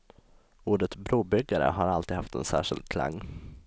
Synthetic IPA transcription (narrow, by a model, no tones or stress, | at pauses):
uːɖət̪bɾuːbʏɡːaɾə̰ɦaɾalt̪iːd̪haft̪ɛnsæ̰ːʂɪld̪̚kʰla̰ŋː